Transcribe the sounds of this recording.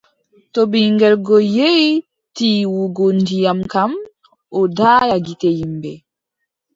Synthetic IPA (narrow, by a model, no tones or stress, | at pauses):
tobiŋɡɛlɡɔje | tiːwuɡɔndijamkam | ɔdaːjaɡitejimbɛ